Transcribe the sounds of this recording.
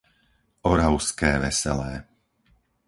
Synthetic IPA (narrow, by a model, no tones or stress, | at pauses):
ɔɾaʊskɛːʋɛsɛlɛː